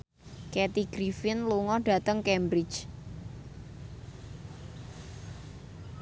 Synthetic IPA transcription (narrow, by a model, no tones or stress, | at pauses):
kɛt̪iɡ̥ɾifɪnluŋɔɖ̥a̤t̪əŋkɛmbɾɪ̥t͡ʃ